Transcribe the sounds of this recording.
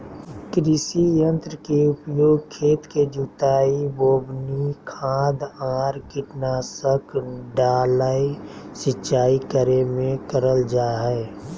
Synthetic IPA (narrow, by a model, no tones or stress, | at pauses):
kɾɪsijə̃nt̪ɾəkeʊpjoːɡ̚kʰeːt̪ked͡ʒut̪aːiboːbnikʰãːd̪ãːɾkɪʈnaːsəkɖaːləisɪtːʃaːikəɾemẽkəɾəld͡ʒaːɦɛː